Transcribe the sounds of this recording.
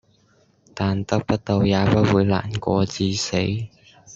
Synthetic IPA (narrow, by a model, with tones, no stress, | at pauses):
t̪aː˨nt̪ɐ˥k̚pɐ˥t̚t̪o˧wjaː˨˧pɐ˥t̚wuː˨˧jla̰ː˨˩nkʷɔː˧t͡siː˧se˨˥j